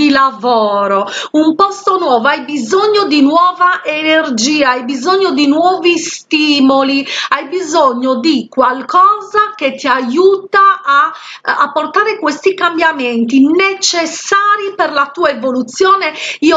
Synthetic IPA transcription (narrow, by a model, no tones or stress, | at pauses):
ilavɔːɾoumpɔst̪onwɔːvoajbizoɲːod̪inwɔːvaʔenerd͡ʒiːaajbizoɲːod̪inwɔːvist̪iːmoliajbizoɲːod̪ikwalkɔːzak̟et̪ːiajuːt̪aa̰ː | pːort̪aːɾekwest̪ikambjament̪inet͡ʃesːaːɾiperlat̪uːaevolut̪sjɔːneiːo